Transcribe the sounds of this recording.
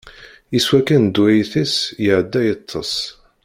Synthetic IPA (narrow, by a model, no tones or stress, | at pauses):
iswækænd̪ːuʕiθisjəʕd̪ːæjət̪ˤʰːɑ̰s